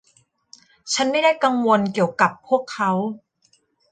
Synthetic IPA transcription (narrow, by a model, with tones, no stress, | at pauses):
t͡ɕʰa˦˥nma˥˩jdaː˥˩jka˧ŋwo˧nki˨˩əwka˨˩pʰːu˥˩əkʰːa˦˥w